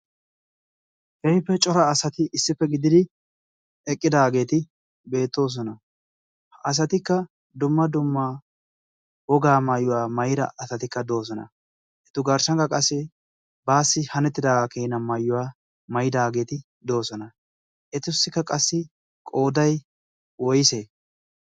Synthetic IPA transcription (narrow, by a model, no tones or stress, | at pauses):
hɛjpːɛt͡ʃʼɔɾɐːsɐt̪ɪʔɪsːɪpːɛɡɪd̪ɪd̪ɪ | ɛkʼːɪd̪aːɡe̞ːt̪ɪ | be̞ːt̪ːo̞ːs̬ɔnɐ | hɐs̬ɐt̪ɪkːɐ | d̪ʊmːɐd̪ʊmːa | wɔɡaːmɐjːʊwaːmɐjɪd̪ɐ̰ʔɐsɐt̪ɪkːɐd̪o̞ːs̬ɔnɐ̰ | ʔɛt̪ʊɡɐɾsɐŋkɐkʼɐsːɪ | baːsːɪhɐnɛt̪ːɪd̪aːɡakeːnɐmɐjːʊwaː | mɐjɪd̪aːɡe̞ːt̪ɪ | d̪o̞ːsɔnɐ | ʔɛt̪ʊsːɪkːɐkʼɐsːɪ | kʼoːd̪ɐj | wɔjɪseː